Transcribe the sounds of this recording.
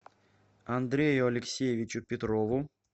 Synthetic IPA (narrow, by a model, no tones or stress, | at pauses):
ɐnd̪ɾʲejʊɐlʲɪksʲejɪvʲɪt͡ɕʊpʲɪt̪ɾovʊ